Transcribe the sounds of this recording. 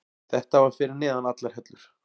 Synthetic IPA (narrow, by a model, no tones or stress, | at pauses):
θɛht̪avaɾ̥fɪːɾɪɾnɛːðanat̪laɾ̥hɛt̪lʏɾ̥